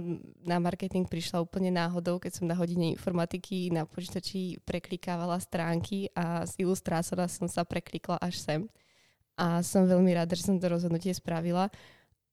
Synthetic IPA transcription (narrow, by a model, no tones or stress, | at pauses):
namaɾkɛt̪iŋk̚pɾiʃlauːpl̩ɲɛnaːɦɔd̪ɔʊkɛcsɔmnaɦɔɟiɲɛḭnfɔɾmat̪ikʰinapɔt͡ʃit̪at͡ʃipɾɛklikaːʋalast̪ɾaːŋkʰiʔazilust̪ɾaːt͡sɔnasɔmsapɾɛkliklaʔaʃsɛm | ʔasɔmʋɛʎmiɾad̪aʒɛsɔmt̪ɔɾɔzɦɔd̪nucɪɛspɾaʋila